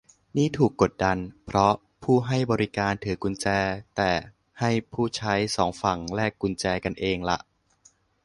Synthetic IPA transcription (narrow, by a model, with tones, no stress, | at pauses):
niː˥˩t̪ʰuː˨˩kːo˨˩t̪̚da˧npʰɾɔ˦˥ | pʰuː˥˩ɦa˥˩jbɔː˧ɾi˦˥kaː˧nt̪ʰɯː˩˦ku˧nt͡ɕɛː˧t̪ɛː˨˩ | ha˥˩jpʰuː˥˩t͡ɕʰa˦˥jsɔː˩˦ŋfa˨˩ŋɾɛː˥˩kːu˧nt͡ɕɛː˧ka˧nʔeː˧ŋla̰˨˦ʔ